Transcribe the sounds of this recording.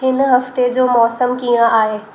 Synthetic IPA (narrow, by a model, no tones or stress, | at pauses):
ɦɪnɦɐft̪ed͡ʑoːmɔːsəmkijə̃ʔaːɦeː